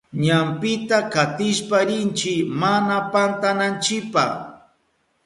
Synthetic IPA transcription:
ɲampɪt̪akat̪ɪʃpaɾɪnt͡ʃɪkmanapant̪anant͡ʃɪkpa̰χ

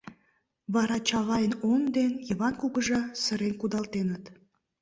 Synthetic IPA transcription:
βɑɾɑt͡ɕɑβɑjənond̪enjəβɑnkuɣəʒəsəɾenkud̪ɑlt̪enət̪

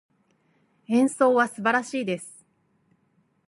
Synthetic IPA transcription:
ẽ̞ɰ̃so̞ːβasɨbaɾaɕiːd̪e̞sɨ̥

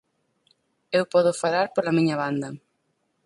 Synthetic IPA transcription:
ewpɔðʊfalaɾpolɐmiɲɐβand̪ɐ

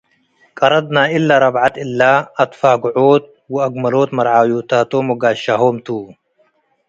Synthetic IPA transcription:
kʼɐɾˤɐd̪naːɪlːaːɾˤɑbʕat̪ɪlːaːɐt̪faːɡʊʕoːt̪̚ | wɪɐɡmɐloːt̪mɐɾʕaːjuːt̪aːt̪oːmɐɡaːʃːaɦoːmt̪uː

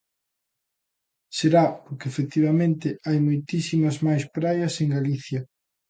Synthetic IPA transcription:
seɾapoɾkeːfek̚t̪iβɐmẽnt̪ɪajmojt̪isimɐzmajspɾajɐseŋɡaliθjɐ

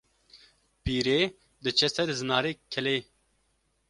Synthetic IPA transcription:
piːɾeː | d̪ɨt͡ʃʰɛsɛɾzɨnaːɾeːkʰɛleː

